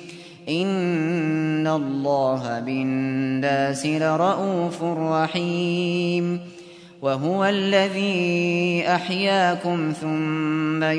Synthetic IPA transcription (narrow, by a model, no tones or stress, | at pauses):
ʔɪnː | allˤːɑːɦabɪnːaːsɪlɾˤɑʔuːfʊrˤːɑħiːm | waɦʊwalːaðiːʔaħjaːkʊmθʊmːa